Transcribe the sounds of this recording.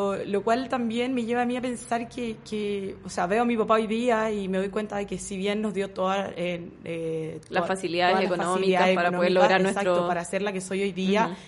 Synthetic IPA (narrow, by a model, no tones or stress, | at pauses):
olokwalt̪ambjenme̞ʝeβaːmiape̞nsaɾkekeoseaβe̞omipapao̞jðiaimeðo̞jkwe̞nt̪aðe̞kesiβjenːozðjo̞t̪o̞ðaeet̪lafasiliaðeseakonfaoimiðaespaɾanoðeloɣɾaɾenesakt̪opaɾaːseɾlakeso̞jojðia